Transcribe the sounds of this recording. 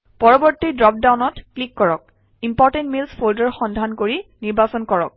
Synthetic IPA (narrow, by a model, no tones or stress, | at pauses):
pɔɹɔbɔɹtːidɹɔp̚dawnɔtklikːɔɹɔk̚ | impɔɹtɛntmilspʰoldɔɹxɔndʱankoɹiniɹbasɔnkɔɹɔk̚